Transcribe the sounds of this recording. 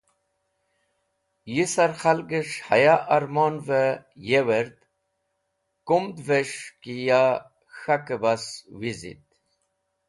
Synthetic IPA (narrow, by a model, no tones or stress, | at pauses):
jisaɾxalɡəʂha̰jaʔaɾmonvəjeweɾd̪ | kumd̪veʂkija | xakəbaswizḭt̪̚